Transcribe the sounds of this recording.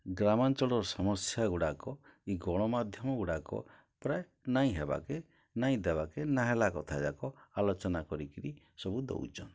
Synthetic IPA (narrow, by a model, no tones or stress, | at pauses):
ɡɾamant͡ʃɔɭɔɾɔsɔmɔsjaɡuɽakɔiɡɔɽ̃ɔmad̪ʱjɔmɔɡuɽakɔ̰ | pɾaje | naĩɦeba̰ke | naĩd̪ebakenaɦelakɔt̪ʰad͡ʒakɔalɔt͡ʃɔnakɔɾikiɾi | sɔbud̪o̰wt͡ʃʰɔn